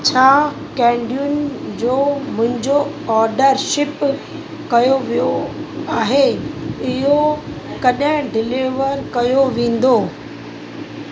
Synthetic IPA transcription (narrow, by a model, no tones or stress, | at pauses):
t͡ɕʰaː | kɛ̃ːɳɖijʊnd͡ʑoːmʊ̃ɦɪ̃ɲd͡ʑoɔːɾɖəɾʃɪp | kɐjoʋijoaːɦeɪɦokɐɗə̃ɖɪliʋəɾkɐjoʋẽːn̆d̪oː